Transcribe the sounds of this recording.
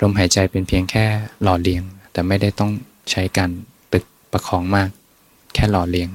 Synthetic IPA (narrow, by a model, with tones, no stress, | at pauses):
ɾo˧mɦaː˩˦jt͡ɕa˧jpe˧npʰi˧əŋkʰɛː˥˩lɔː˨˩li˧əŋt̪ɛː˨˩ma˥˩jda˥˩jt̪ɔ˥˩ŋ | t͡ɕʰa˦˥jkaː˧n | t̪ɯ˨˩k̚pa˧kʰɔː˩˦ŋmaː˥˩k̚ʰː | ɛː˥˩lɔː˨˩li˧əŋ